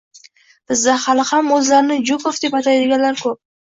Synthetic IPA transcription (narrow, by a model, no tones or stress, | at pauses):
b̥ɪzd̪ahalɪhamɵzlaɾɪnɪd͡ʒʊkofd̪e̞pat̪ʰajd̪ɪɡʲanlaɾkʰɵp̚